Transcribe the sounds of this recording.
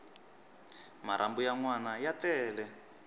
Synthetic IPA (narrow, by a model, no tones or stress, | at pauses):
maɾʔa̰mbujaŋwanajatɛːlɛ